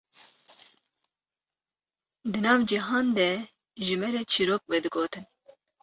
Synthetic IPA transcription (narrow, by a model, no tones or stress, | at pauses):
d̪ɨnɑːvd͡ʒiɦɑːnd̪ɛ | ʒɨmɛɾɛt͡ʃʰiɾoːk̚wɛd̪ɨɡoːt̪ʰɨn